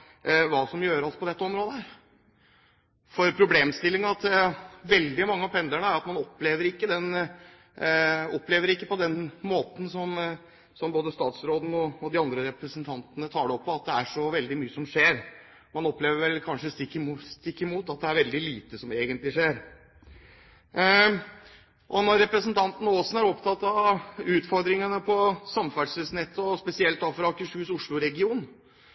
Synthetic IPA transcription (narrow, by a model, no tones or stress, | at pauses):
ʋɑːsɔmjøːɾɑlsɔpʰɔd̪ɛt̪ːəɔmɾoːd̪əæɾ | fɔɾpʰɾʊbleːmst̪ɪlːɪŋɑt̪ʋɛld̪ɪmɑŋːəɑpʰɛnd̪əɳəæɾɑt̪mɑnɔpːleːʋəɾɪkːəd̪ɛn | ɔpːleːʋəɾɪkːəpɔd̪ɛnmoːt̪n̩sɔm | sɔmboːd̪əst̪ɑːt̪sɾoːd̪nəɔɔd̪ɪɑnd̪ɾəɾɛpɾəsənt̪ʰɑnt̪ənət̪ʰɑːɖ̪ɛɔpʰːɔɑt̪̚d̪ɛæʂɔʋɛld̪ɪmyːəsɔmʂeːɾ | mɑnɔpleːʋəɾʋɛlkʰɑnʂəst̪ɪkːst̪ɪkːɪmuːt̪ɑt̪̚d̪ɛæɾʋɛld̪ɪliːt̪əsɔmeːɡənt̪lɪʂeːɾ | ʔɔnɔɾːɛpɾəsənt̪ʰɑnt̪n̩oːsn̩æɾɔpt̪ʰɑt̪ːɑʉːt̪fɔɾd̪ɾɪŋənəpʰɔsɑmfæɖʂəsnɛt̪ʰːəɔspɛsɪɛlt̪ɑfɾɑɑkəʂʉːsʊʂɭʊɾɛɡɪuːn